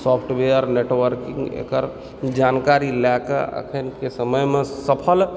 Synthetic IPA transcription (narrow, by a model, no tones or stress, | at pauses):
sɔpʰʈweəɾneʈwəɾkĩŋɡḛkəɾ | d͡ʒankaɾilɛkḛə̰kʰənkesəməjmẽsəpʰəl